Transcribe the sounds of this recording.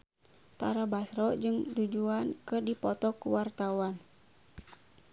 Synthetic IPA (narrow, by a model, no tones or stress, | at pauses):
t̪aɾabasɾɔd͡ʒɨŋdud͡ʒuankɨrdipɔt̪ɔkuwart̪awan